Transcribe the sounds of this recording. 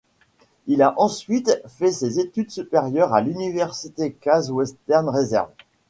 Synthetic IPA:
ilaʔɑ̃sɥit̪fɛsezet̪yd̪sypeʁjœʁalynivɛʁsit̪ekazwɛst̪ɛʁnʁezɛ̰ʁv

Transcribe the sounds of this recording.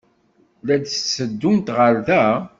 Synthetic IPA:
læd̪sːəd̪ːunt̪ʁəɾðæ

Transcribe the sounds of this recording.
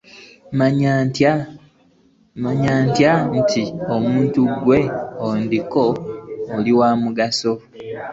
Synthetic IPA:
m | maɲaːntjantiomuːntuɡwe̞ondikoː | liwaːmuɡaso̞

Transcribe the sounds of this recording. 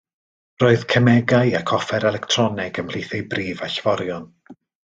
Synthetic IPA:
roːɨðkʰəmɛɡajakʰɔfɛɾɛlˠɛktʰrɔnɛɡəmhl̥iθejbriːvaɬvɔɾjɔn

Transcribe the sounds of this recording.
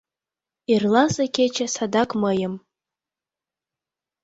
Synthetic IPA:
irlasakʰʲet͡ʃʰasadakʼməjam

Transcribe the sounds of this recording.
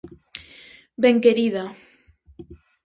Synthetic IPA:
beŋkeɾiða

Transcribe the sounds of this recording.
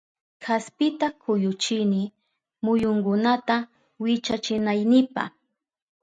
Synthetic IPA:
kʰaspɪt̪akʰʊjʊt͡ʃɪnɪ | mʊjʊŋɡʊnat̪a | wɪt͡ʃat͡ʃɪnajnɪpa̰

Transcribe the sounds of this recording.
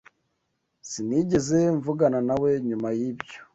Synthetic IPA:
siniɟe̞ze̞ɱvuɡananawe̞ɲumajibjo

